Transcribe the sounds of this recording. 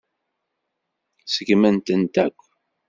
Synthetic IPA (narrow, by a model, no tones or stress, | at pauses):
səɡmənt̪ənt̪ækʷː